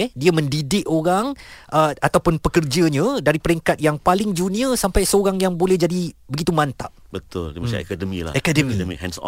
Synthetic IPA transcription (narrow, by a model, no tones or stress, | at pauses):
ɛdiəmə̃ndidɪʔoɾaŋʔəat̪awpʊnpəkərd͡ʒəɲə̃daɾipəɾɛŋkat̪̚jaŋpalɪŋd͡ʒunĩəsampajsəoɾaŋjaŋbolɛhd͡ʒadibəɡit̪umant̪aʔ | bət̪ʊ̰ldiəmsa̰ɛ̰kadəmḭla̰akadəmimḭkhɛ̰̃ns